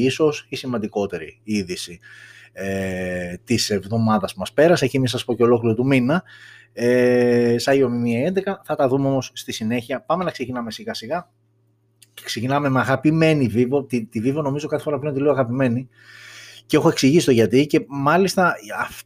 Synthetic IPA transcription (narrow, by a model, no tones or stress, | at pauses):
iso̞sisimɐnd̪iko̞t̪e̞ɾiiðisi | et̪ise̞vðo̞mɐðɐspumɐspe̞ɾɐsecimisspo̞ce̞o̞lo̞kliɾot̪uminɐ | esɐiomimiɐend̪ekɐθɐt̪ɐðumeo̞mo̞sːt̪isine̞çiɐpɐme̞nɐkse̞cinɐme̞siɣɐsiɣɐ | ksecinɐme̞meɐɣɐpime̞niviveot̪it̪iviveono̞mizo̞kɐθefo̞ɾɐpleont̪ileoːɐɣɐpime̞ni | ceexoe̞ksiʝisi̥t̪oʝɐt̪ice̞mɐlist̪ɐɐf